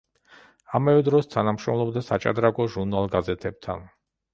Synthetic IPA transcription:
amavɛd̪ɾɔst̪ʰanamʃɾɔmlˠɔbd̪asa̰t͡ʃʼa̰d̪ɾaɡɔʒuɾnalˠɡazɛt̪ʰɛb̚t̪ʰa̰n

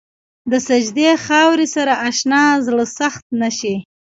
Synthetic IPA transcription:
d̪əsad͡ʒd̪exɑwɾisaɾaʔaʃnɑzɽəsaxt̪̚naʃi

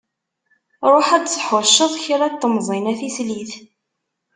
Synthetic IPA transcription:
ɾˤoħæd̪səħʊɾʃːəðˤçɾæt̪ːəmzˤinæθisliθ

